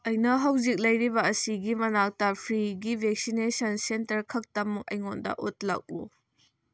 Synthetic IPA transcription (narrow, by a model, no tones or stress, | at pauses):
ʔɐjnɐɦɐwzik̚lɐjɾibɐːsiɡimɐnak̚tɐpʰɾiɡibʱek̚sinesɐnsentɐɾkʰɐk̚tɐmːuŋɐ̰jŋɔndɐ̰ʔot̚lɐ̰k̚ṵ